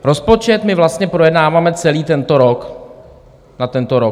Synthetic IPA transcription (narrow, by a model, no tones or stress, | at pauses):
ɾo̞spo̞t͡ʃɛt̪mɪvlast̪ɲɛpɾojɛdnaːvaːmɛt͡sɛliːt̪ɛnt̪o̞ɾo̞k | nat̪ɛnt̪oɾo